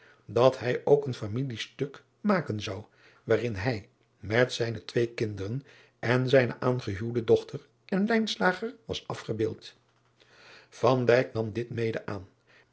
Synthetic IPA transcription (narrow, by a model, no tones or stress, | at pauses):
dɑtɦɛjowkənfamilistɵk | maːkənzɑw | ʋaːrɪnɦɛj | mɛtsɛjnətʋejkɪndərən | ʔɛnzɛjnə̰ʔaːnχəɦywdədɔχtəɹ | ʔɛnlɛjnslaːχəɹʋɑ̰sɑfχəbɪːlˠt | v̥ɑndɛjknɑmdɪtmejdəʔaːn